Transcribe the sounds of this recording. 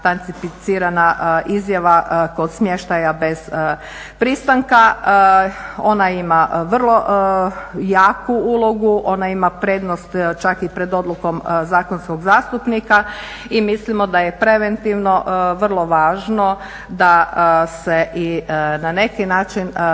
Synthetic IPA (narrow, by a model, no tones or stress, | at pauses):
t̪ant̪sifit̪siːɾanaʔizjaʋako̞d̪smje̞ʃt̪ajabe̞z̥ | pɾist̪aŋka | o̞naimaʋr̩lˠo̞ | jaːkuulˠo̞ɡuʔo̞naimapɾe̞ːd̪nost̪t͡ʃakipɾe̞d̪o̞d̪luko̞mzaːkonsko̞ɡzaːst̪upnika | imislimod̪aje̞pɾe̞ʋent̪iʋno̞ʔʋr̩lˠo̞ʋaːʒno | d̪aseʔinane̞kinaːt͡ʃin